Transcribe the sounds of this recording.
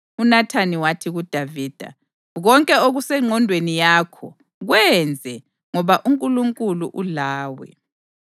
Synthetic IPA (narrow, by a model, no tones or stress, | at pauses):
unatʰaniwatʰiɣud̥ʱaviːd̥ʱa̰ | ɣɔŋkʼɛoɣusɛŋ͡ǀʱɔndʱwenijakʰɔ | ɣwɛnd͡zʱɛ | ŋɔβaʔuŋkʼuluŋkʼuluʔulaːwɛ̰